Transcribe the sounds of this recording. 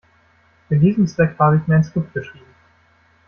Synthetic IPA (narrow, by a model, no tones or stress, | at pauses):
ɪndiːzəmstɛkv̥aːbəɪçmiɐaɪnskɪp̚t̚ɡ̥əʃʁ̥iːbm̩